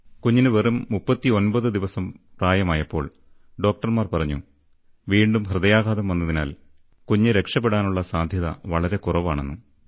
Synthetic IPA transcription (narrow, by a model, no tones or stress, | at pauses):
kuɲːinɨʋerumːupːɐt̪ːio̞nbɐðɨd̪iʋɐsɐmpraːjɐmaːjɐpːo̞ːɭ | ɖo̞ːk̚ʈɐrmaːrpɐrɐɲːṵ | ʋiːɳɖumɦrɨðɐjaːɡaːðɐmʋɐnːɐðina̰ːl | kuɲːɨɾe̞kʂɐp̬ːe̞ɽaːnuɭːɐsaːd̪ʱjɐðɐ̰ʋɐɭɐɾe̞kurɐʋaːɳḛnːu